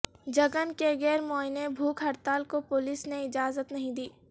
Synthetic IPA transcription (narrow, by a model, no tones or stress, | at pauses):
d͡ʒɐɡənkeɡɛːɾmɔːɪnebʱuːkɦɐɾt̪aːlkopʊlisneɪd͡ʒaːzət̪nɐɦĩd̪iː